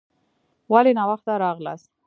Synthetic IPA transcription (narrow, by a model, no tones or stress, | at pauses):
walenɑwaxt̪aɾɑɣla̰s